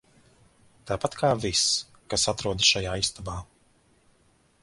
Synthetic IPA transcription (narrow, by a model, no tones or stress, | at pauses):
t̪aːpat̪kʰaːvis | kasat̪ɾuɔd̪sʃajaːist̪abaː